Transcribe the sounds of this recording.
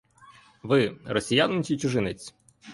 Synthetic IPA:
ʋɪrɔsʲijanɪt͡ʃʲit͡ʃʊʒɪnet͡sʲ

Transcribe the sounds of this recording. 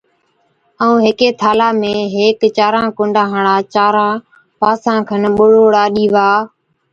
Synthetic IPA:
əũːɦɪkeːt̪ʰaːlaːmẽːɦeːkt͡ʃaːɾãːkʊ̃ɳɖʱãːɦaɳaːt͡ʃaːɾãː | paːsãːkʰənɓʊɽoːɽaːɗiːʋaː

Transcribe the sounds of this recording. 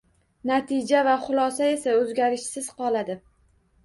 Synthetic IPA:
nat̪ʰɪd͡ʒavaχʊlˠɒsae̞saɵzɡʲaɾɪʃsɪz̥qɒlˠad̪ɪ

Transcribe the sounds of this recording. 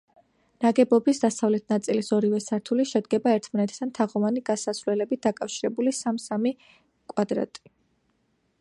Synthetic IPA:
naɡɛbɔbisd̪asavlɛt̪ʰnat̪sʼilisɔɾivɛsaɾt̪ʰuliʃɛd̪ɡɛbaɛɾt̪ʰmanɛt̪ʰd̪ant̪ʰaʁɔvaniɡ̥asasvwlɛlɛbit̚d̪akʼafʃiɾɛbulisamsami | kʼwad̪ɾa̰t̪ʼi̥

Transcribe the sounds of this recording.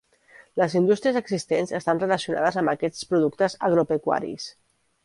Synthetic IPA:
ləzind̪ust̪ɾiəzəɡzist̪enzəst̪anrələsiuna̰ðəzəmbəkɛt͡spɾuðukt̪əzəɣɾupekwa̰ɾḭs

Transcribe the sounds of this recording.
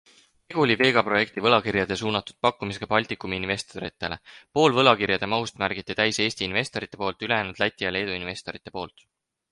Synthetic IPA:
eɡ̥ulʲive̞ːɡ̥ɑpro̞je̞kt̪ivɤ̞lɑkirjɑd̪̥e̞suːnɑt̪ːˑu̥d̪̥̚pɑkːumis̬ekɑpɑlʲt̪ikːumiinve̞st̪oɾḭt̪ːˑe̞le̞̰po̞ːlvɤ̞lɑkirjɑd̪̥e̞mɑust̪mærɡ̥it̪ːit̪æjse̞ːst̪iinve̞st̪o̞ɾit̪ːˑe̞po̞ːlt̪ˑyle̞jæːnud̪læt̪ʲːˑijɑle̞ːd̪uinve̞st̪o̞ɾit̪ˑːe̞po̞ːlt̪

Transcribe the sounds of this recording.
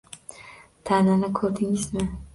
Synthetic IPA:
t̪ʰananɪkʰɵɾd̪ɪŋɪzmɪ

